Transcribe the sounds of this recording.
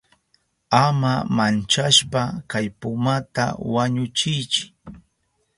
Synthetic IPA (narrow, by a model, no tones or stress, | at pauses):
amamant͡ʃaʃpakajpʊmat̪a̰waɲʊt͡ʃɪjt͡ʃɪ̥